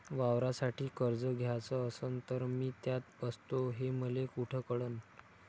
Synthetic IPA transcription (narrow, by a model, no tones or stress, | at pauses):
ʋaʋɾasaʈiːkəɾd͡zəɡʱjat͡səəsənt̪əɾmiːt̪jat̪bəst̪oɦeməlekuʈʰəkəɽən